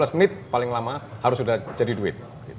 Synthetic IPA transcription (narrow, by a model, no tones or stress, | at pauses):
lasmənɪt̪̚palɪŋlamahaɾʊsudahd͡ʒadiduɪ̰t̪̚ | ɡ̥it̪